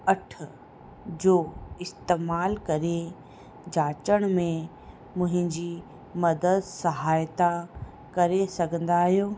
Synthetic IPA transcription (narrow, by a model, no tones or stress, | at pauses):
ɐʈʰ | d͡ʑoːɪst̪eːmaːlkɐɾe | d͡ʑaːt͡ɕəɽ̃mẽ | mʊ̃ɦɪ̃ɲd͡ʑi | mɐd̪əd̪sɐɦaːjt̪a | kɐɾesɐɡʱə̃nd̪aːɦijoː